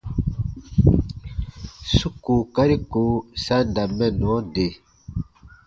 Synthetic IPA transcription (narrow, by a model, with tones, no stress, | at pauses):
su˦ku˨ka˦ɾi˦ko˨˦sa˦nda˨mɛ˦˨n˨ɔ˨˦de˨